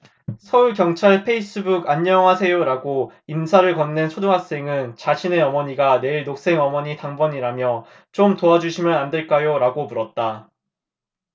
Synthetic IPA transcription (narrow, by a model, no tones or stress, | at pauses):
sʰʌuɭkjʌŋt͡ɕʰaɭpʰe̞is͈ɯbuɡaɲːʌŋɦasʰe̞joɾaɡoimsʰaɾɯɭkʌnːent͡ɕʰoduŋɦak̚s͈e̞ŋɯnt͡ɕaɕʰine̞ʌmʌɲiɡane̞iɭnok̚s͈e̞ŋʌmʌɲitaŋbʌɲiɾamjʌ | t͡ɕomtoad͡ʑuɕʰimjɯnandɯɭk͈ajoɾaɡomuɾʌt̚t͈a